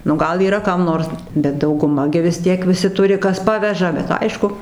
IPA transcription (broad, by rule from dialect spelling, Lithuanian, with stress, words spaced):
nʊ ˈɡɐlˠ iːˈrɐ ˈkɐm ˈnoːrs bʲɛt dɐʊɡʊˈmɐ ɡʲɪ ʋʲɪs ˈtʲiɛk ʋʲɪˈsʲɪ ˈtʊrʲɪ ˈkɐs ˈpɑːʋʲɛʒɐ bʲɛt ˈɐɪʃkʊ